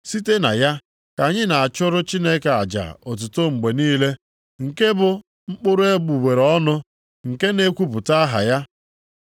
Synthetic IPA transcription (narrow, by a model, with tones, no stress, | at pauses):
si˦te˦na˨ja˦ | ka˨ɲɪ˦na˨a˨t͡ʃʊ˦ɾʊ˦t͡ʃi˦ne˦ke˨a̰˨d͡ʒa̰˨ɔ˨t̬ʊ˨to˦ŋ͡m̩˨ɡ͡be˨niː˦le˦ | ŋ̩˨ke˦bʊ˨ | ŋ͡m̩˦k͡pʊ˦ɾʊ˦e˦ɡ͡bu˨ɡ͡be˨ɾɔ˦nʊ˦ | ŋ̩˨ke˦ne˦kʷu˦pʊ˨ta˦ɦa̰˨ja˦